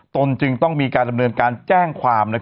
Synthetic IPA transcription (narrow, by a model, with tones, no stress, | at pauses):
t̪o˧nt͡ɕɯ˧ŋt̪ɔ˥˩ŋmiː˧kaː˧nda˧mnɤː˧nkaː˧nt͡ɕɛː˥˩ŋkʰwaː˧mna˦˥